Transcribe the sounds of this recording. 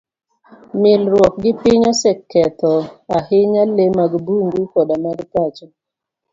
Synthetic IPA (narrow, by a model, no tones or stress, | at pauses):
mɪlɾwɔk̚ɡɪpɪɲɔsɛkːɛt̪ɔahɪɲalemaɡbuŋɡukɔdamaɡtat͡ʃɔ